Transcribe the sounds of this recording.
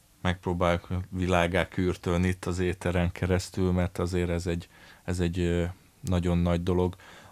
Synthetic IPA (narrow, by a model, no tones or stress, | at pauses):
mɛk̚proːbaːjukʋilaːɡaːkyːrt̪øniit̪ːɒzeːt̪ɛɾɛŋkʰɛɾɛst̪ylmɛrt̪ɒzeːɾɛzɛɟɛzɛɟ | nɒɟo̞nːɒɟd̪o̞lo̞ɡ